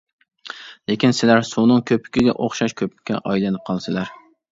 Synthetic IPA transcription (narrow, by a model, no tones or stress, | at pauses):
lekʲinsɪlæɾsunɨŋkʲʰøpʰɪ̥kʲiɡʲɛ̰ʔoχʃɑʃkʲʰøp̚ɪ̥kʲːɛ̰ʔɑjlɛnɪp̚qʰɑlˠsɨlæɾ